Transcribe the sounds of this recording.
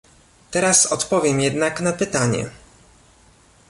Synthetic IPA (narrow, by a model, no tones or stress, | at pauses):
t̪ɛɾasɔt̪pɔvʲjɛmjɛd̪naknapɘt̪aɲɛ̰